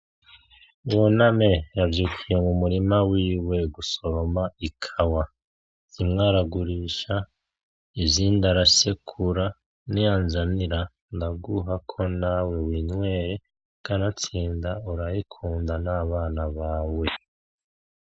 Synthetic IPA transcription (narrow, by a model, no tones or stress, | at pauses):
jonamejavjikijemumuɾimawiːwe̞ɡuso̞ɾomaikʰawa | z̥imŋaːɾaɡuɾiːʃa | ivziːndaɾasekʰuɾa | nijanzaniɾa | ndaɡuɦakʰo̞nawewiːnwe̞ːɾe | kanat͡siːndauɾahikʰuːndanaːβaːnaβaːwe̞